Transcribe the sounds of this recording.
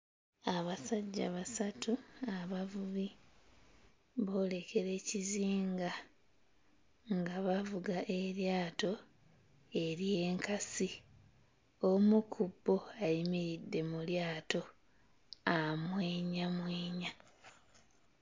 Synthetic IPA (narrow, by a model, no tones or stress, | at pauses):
aβasaɟːaβasatuaβavuβi | βo̞ːle̞kʰe̞ɾe̞ːciziːŋɡa | ŋɡaβavuɡaʔe̞ɾjaːto̞ | e̞ɾije̞ːŋkasi | o̞mukʰubːo̞ajimiɾidːe̞muljaːto̞ | amweːɲamweːɲa